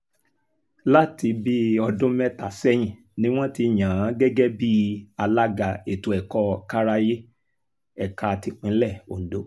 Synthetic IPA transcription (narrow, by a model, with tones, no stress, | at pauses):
la˦ti˧bi˦ɔ˧dũ˦mɛ˦ta˨sɛ˦j̃ĩ˨ | nĩ˦w̃ɔ̃˦ti˧j̃ã˨a˨˦ɡɛ˦ɡɛ˦bi˦a˧la˦ɡa˧e˨tu˨ɛ˨kɔ˧ka˦ɾa˦je˦ | ɛ˦˨ka˧˨ti˧k͡pĩ˨˦lɛ˦˨o̰˨n̩˨do˨˦